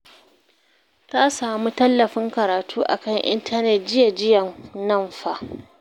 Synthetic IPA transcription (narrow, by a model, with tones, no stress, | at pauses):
ta˦saː˨mu˦tɐ˦lːɐ˨ɸɪ˦ŋkɐ˨ɾaː˨tʰuː˦ʔa̰˨kɐ˦˨ŋʔɪ̰˦ntʰɐ˦nɛ˨t̚d͡ʒɪ˦ja˨d͡ʒɪ˦jɐ˨mnɐ˦˨mɸa˦ʔ